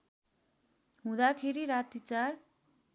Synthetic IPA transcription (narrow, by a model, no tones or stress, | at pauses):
ɦũd̪akʰeɾiɾat̪it͡saɾ